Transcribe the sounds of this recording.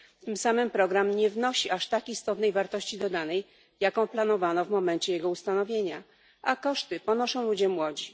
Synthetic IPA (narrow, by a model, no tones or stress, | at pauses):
t̪ɘmsamɘmpɾɔɡɾamɲɛvnɔɕiʔaʂt̪akʲist̪ɔt̪nɛjvaɾt̪ɔɕt͡ɕid̪ɔd̪anɛj | jakɔ̃w̃plan̪ɔvanɔvmɔmɛnt͡ɕɛjɛɡɔust̪anɔvʲjeɲa | ʔakɔʂt̪ɘpɔnɔʂɔ̃w̃lud͡ʑɛmwɔd͡ʑi